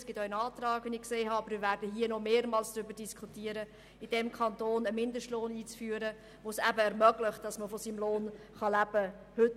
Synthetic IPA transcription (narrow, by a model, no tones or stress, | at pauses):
sɡ̥ɪtœənɑːt̪ɾɑːɡɛnɪkseːɦɑɑbəɾmɪvæɾdəɦiənɔmeːɾmɑːlsd̥ɾʏbəd̥iskʰχutiːəɾə | ɪd̥ɛmkʰɑntoːnəmɪndəʃtloːniːt͡sfyːəɾə | ʋoːsæbəɛɾmœɡlɪχt̚d̥ɑsməfɔsiːmloːn | χɑlæb̥ə | hʏt